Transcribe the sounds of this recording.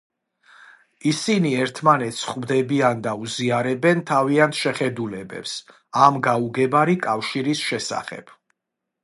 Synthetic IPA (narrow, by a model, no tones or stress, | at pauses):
isiniɛɾt̪ʰmanɛt̪sχmd̪ɛbiand̪auziaɾɛbɛnt̪ʰaviant̪ʰʃɛχɛd̪ulɛbɛ̰ps | amɡauɡɛbaɾikʼafʃiɾisʃɛsa̰χɛ̰b̥